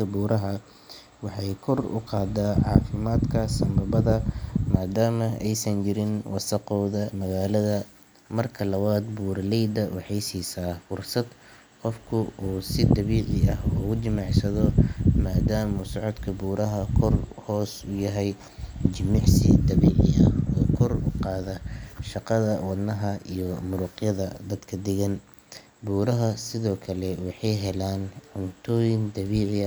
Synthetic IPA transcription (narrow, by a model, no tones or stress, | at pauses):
ɐbuːɾɐɦɐ | wɑħɑjkʰɔrʊ̰qɑːd̪aːʕɑ̰ːfɪmaːd̪kʰɐsɐmbɐbɐðɐmaːd̪aːmɐɛjsɐnt͡ʃɪɾɪnwɑsɐqɔːðɐmɐɣaːlɐðɐ | mɐrkʰɐlɐwaːd̪buːɾlɛjd̪ɐwɑħɑjsiːsaːfʊrsɐd̪ | qɔfkʰʊuːsɪd̪ɑβiːqɪɐhɔːʊd̪ɪmɑʕsɐðɔmaːd̪aːmʊsɔʕɔd̪kʰɐbuːɾɐɦɐkʰɔrhɔːsʊjɐɦɛj | d͡ʒɪmɪʕsɪd̪ɐβiːʕɪ̰ʔɐɔːkʰɔrʊqɑːðɐʃɑqɑðɐwɑd̪nɐɦɐijɔmʊɾʊqjɐðɐd̪ɐd̪kʰɐd̪ɛɣɐn | buːɾɐɦɐsɪðɔːkʰɐlɛwɑħɑjɦɛlaːnʕʊnt̪ʰɔːjɪnd̪ɐβiːʕɪ